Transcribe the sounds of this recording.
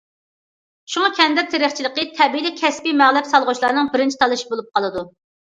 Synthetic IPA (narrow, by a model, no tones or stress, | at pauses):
ʃuŋɑkʲʰɛnd̪ɛɾ̚t̪ʰeɾɪχt͡ʃʰilˠəqət̪ʰɛbilɪkʲʰɛspimæʁlˠɛpsɑlˠʁʊt͡ʃʰlˠɑɾnɨŋbɪɾɪnt͡ʃʰi̥t̪ʰɑlˠɨʃi̥bolˠup̚qʰɑlˠɨd̪u